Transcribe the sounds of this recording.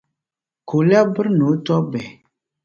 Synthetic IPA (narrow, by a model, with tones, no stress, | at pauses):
ko˨la˦bɨ˦ɾno˨˦tɔ˦bɛ˨